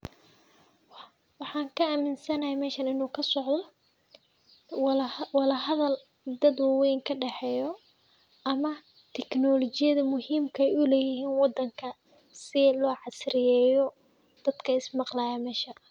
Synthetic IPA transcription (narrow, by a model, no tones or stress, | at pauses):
wɑħɑːŋkʰɐaːmɪnsɐnɐɦɛjmɛːʃɐnɪnuːkʰɐsɔʕðɔ | wɑlɐɦɐðɐl | d̪ɐd̪wɑːwɛjŋkʰɐɖɛħɛːjɔ | ʔɐmɐ | t̪ʰɛknɔlɔt͡ʃɪjɐðɐmʊɦiːmkʰɐɛjʊlɛːjɪɦiːnwɑd̪ːɐŋkʰɐ | sɪlɔːʕɑsɾɪjɛːjɔ | d̪̥ɐd̪̥kʰɐɪsmɑqlaːjɐmɛːʃɐ